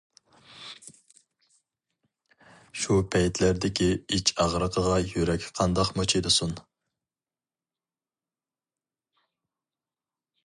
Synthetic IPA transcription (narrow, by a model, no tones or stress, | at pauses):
ʃupʰɛjt̪ʰlæɾd̪ɪkʲiit͡ʃʰɑʁɾəqʰəʁɑjøɾɛkʲqʰɑnd̪ɑqmot͡ʃʰid̪ɨsun